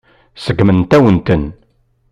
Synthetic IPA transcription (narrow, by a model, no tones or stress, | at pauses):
səɡmənt̪æwənt̪ən